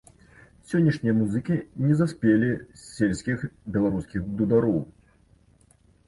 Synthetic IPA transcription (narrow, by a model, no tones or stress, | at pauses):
sʲɔnʲːiʂnʲijɐmuzɨkʲinʲɛzasʲpʲelʲisʲelʲsʲkʲixbʲɛlˠaɾuskʲiɣd̪ud̪aɾɔw